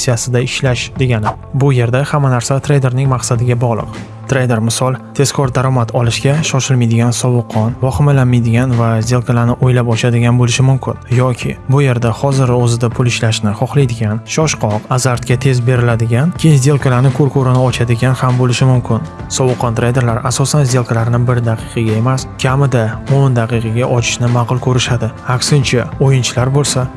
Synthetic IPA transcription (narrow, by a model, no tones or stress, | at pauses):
sijasɪd̪aɪʃlaʃd̪e̞ɡʲanɪ | bʊje̞ɾd̪ahamːanaɾsat̪ʰɾejd̪e̞ɾnɪŋmaqsad̪ɪɡʲabɒʁlˠɨ̰q | t̪ʰɾejd̪e̞ɾmɪsɒlˠt̪ʰe̞z̥kʰɒɾd̪aɾɒmat̪ʰɒlɪʃɡʲaʃɒʃɪlmajd̪ɪɡʲansɒwɨqʰːɒnvɒχɪmalanmajd̪ɪɡʲanvazd̪e̞lˠkʰalanɪʔojlapɒt͡ʃʰad̪ɪɡʲanbolɪʃɪmʊmkʲʰɪnjɒkʲʰɪ̰bʊje̞ɾd̪ahɒzɪɾozɪd̪apʰʊlɪʃlaʃnɪχɒχlˠajd̪ɪɡʲanʃɒʃqʰɒqazaɾt̪kʲat̪ʰe̞zbe̞ɾɪlad̪ɪɡʲankʲʰejɪnzd̪e̞lˠkʰʲalaɾnɪkʰoɾkʰoɾɪnɪɒt͡ʃʰad̪ɪɡʲanhambolɪʃɪmʊmkʲʰɪnsɒbɨqʰːɒnt̪ʰɾejd̪e̞ɾlaɾasɒsanzd̪e̞lˠkʰalaɾnɪbɪɾɪd̪aqʰɨqʰɑɡʲae̞maskʲʰamɪd̪aond̪aqɨqʰɑɡʲaʔɒt͡ʃʰɪ̥ʃnɪmaqʊlˠkʰɵɾɪʃad̪ɪakʲsɪnt͡ʃʰaojɪnt͡ʃʰɪlaɾbolˠsa